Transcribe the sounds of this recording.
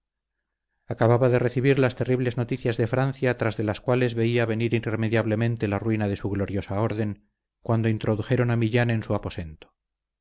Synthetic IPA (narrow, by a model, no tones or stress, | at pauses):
akaβaβaðe̞re̞θiβiɾlast̪e̞riβle̞zno̞t̪iθjazðe̞fɾanθjat̪ɾazðe̞laskwale̞zβe̞iaβe̞niɾiremeðjaβle̞mẽ̞nt̪e̞larwinað̞e̞suɣlo̞ɾjo̞sao̞ɾðe̞ŋ | kwand̪o̞int̪ɾo̞ðuxe̞ɾo̞namiʎanensuapo̞se̞nt̪o̥